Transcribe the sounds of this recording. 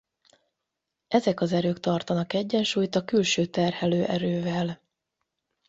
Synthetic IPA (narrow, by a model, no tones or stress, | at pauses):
ʔɛzɛkɒzɛɾøːkt̪ɒrt̪ɒnɒkɛɟːɛnʃuːjt̪ɒkylʃøːt̪ɛrhɛløːʔɛɾøːvɛl